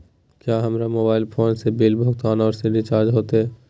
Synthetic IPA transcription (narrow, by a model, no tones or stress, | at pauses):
kjaːɦɐmɾamoːbaːɪlpʰoːnsebɪlbʱʊɡ̚t̪aːnɔːɾseɖɪt͡ʃaːɾd͡ʒɦoːt̪eɦɛː